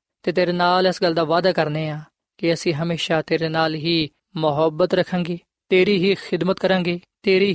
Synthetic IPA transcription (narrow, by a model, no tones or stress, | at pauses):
t̪eːt̪eːɾeːnaːlɪsɡəld̪aːʋaːd̪aːkəɾneːãː | kɪəsĩːɦəmeːʃaːt̪eːɾeːnaːlɦiː | mʊɦəbət̪ɾəkʰːãːŋɡeː | t̪eːɾiːɦiːxɪd̪mət̪kəɾãːŋɡeːt̪eːɾiː